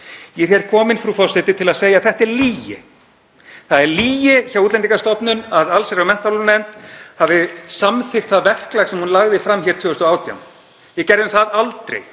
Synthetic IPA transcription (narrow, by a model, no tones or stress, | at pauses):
jɛɾ̥hjɛɾ̥kʰɔːmɪnfɾuːfɔsɛt̪ɪt̪ʰɪlaðseːjaðθɛht̪ɛɾliːjɪ̰ | θaðɛɾliːjɪçaːwut̪lɛnt̪iŋkast̪ɔpnʏnaðalsɛɾamɛn̥t̪alʏnɛmt̪havɪsamθɪr̥t̪θaðvɛr̥klaxsɛmhunlaɣðɪfɾamːçɛɾ̥t̪ʰʏːɛst̪ɔaːwt̪ʰja̰wm | jɛcɛɾðɪmθaðalt̪ɾḛj